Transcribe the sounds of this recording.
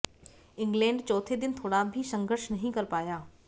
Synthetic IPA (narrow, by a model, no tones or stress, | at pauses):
ɪ̃ŋɡlɛ̃ːɳɖt͡ʃɔːt̪ʰed̪ɪnt̪ʰoːɽabʱisə̃ŋɡʱəɾʃnɐɦĩkɐɾpaːjaː